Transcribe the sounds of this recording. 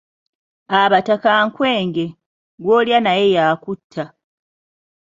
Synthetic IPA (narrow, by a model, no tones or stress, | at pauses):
aβatakaŋkwe̞ːŋɡe̞ | ɡwo̞ːljanaje̞jaːkutʰːa